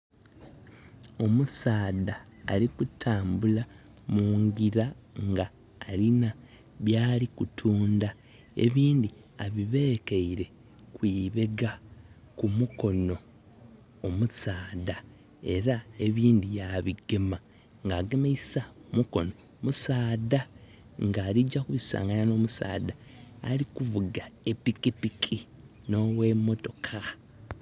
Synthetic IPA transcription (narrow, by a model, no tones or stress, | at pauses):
o̞musaːðaːlikutʰaːmbula | muːŋɡiɾaŋɡaː | lina | βjaːlikutʰuːnda | e̞̰βiːndi | aβiβe̞ːkeiɾe̞ | kwiːβe̞ɡa | kumuko̞no̞ː | musaːda | e̞ɾae̞βiːndijaβiɡema | ŋɡaːɡemeisaomuko̞no̞ | musaːda | ŋɡaːɾiɟakuβisa̰ːŋɡanano̞ːmusa̰ːdaːlikuvuɡae̞pikipikʰi | no̞we̞mo̞to̞kʰa